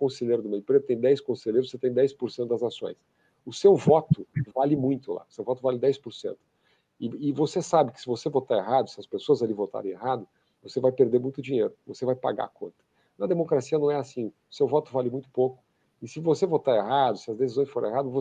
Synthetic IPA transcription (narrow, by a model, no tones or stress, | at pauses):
kõseʎejɾʊd̪ʊmẽj̃pɾed̪ʊt̪ẽj̃d̪ɛjskõseleɾʊzoset̪ẽj̃d̪ɛjspoɾsẽt̪ʊd̪ɐzasõ̰j̃s | ʊsewvɔt̪ʊvalɪmũj̃t̪ʊla̰ʊsewvɔt̪ʊvalɪd̪ɛjspoɾsḛ̃nt̪ʊ̥ | ɪɪvosesabɪkɪ̥sɪvosevot̪aeɦad̪ʊsɪɐspesoɐzalivot̪a̰ɾẽeɦad̪ʊ | vosevajpeɾd̪eɾmũj̃t̪ʊd͡ʒiɲejɾʊvosevajpa̰ɡa̰kõ̰nt̪ɐ̥ | nɐd̪emokɾasiɐnɐ̃w̃ɛasĩʊsewvɔt̪ʊvalɪmũj̃t̪ʊ̥pokʊ̥ | ɪsɪvosevot̪aɾeɦad̪ʊsɪɐzd̪esizõj̃sfoɾɐ̰̃eɦad̪ʊvo